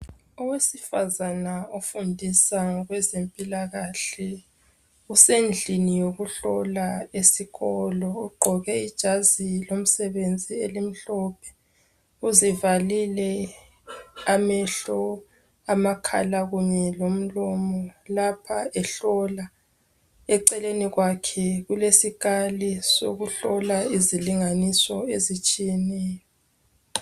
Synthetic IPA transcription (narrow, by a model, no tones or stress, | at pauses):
ɔwesifazanaofundʱisaɣwɛzempʼilaɣaɬɛ | usend͡ɮʱinijoɣuɬɔlaesiɣɔlɔuɡ͡ǃʱɔɣɛid̥ʒ̥ʱazilom̩sɛβend͡zʱielim̩ɬɔːpʰɛ̥ | uzivalilɛ | amɛɬɔ | amakʰa̰laɣuɲɛlom̩lɔmɔlapʰaɛɬɔla | ɛǀɛleniɣwakʰɛɣulesiɣaliso̰ɣuɬɔlaiziliŋanisɔezit͡ʃʼijɛnɛːjɔ